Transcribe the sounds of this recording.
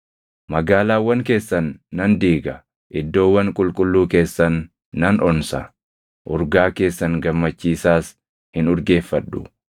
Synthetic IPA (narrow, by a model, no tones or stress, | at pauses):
mɐɡaːlaːwːɐŋke̞ːsːɐnːɐnd̪iːɡɐ | ʔɪd̪ːo̞ːwːɐŋkʼʊlkʼʊlːuːke̞ːsːɐnː | ɐnʔɔnsɐ | ʔʊɾɡaːke̞ːsːɐŋɡɐmːɐt͡ʃːiːsaːs | hɪnʊɾɡe̞ːfːɐᶑːʊ̰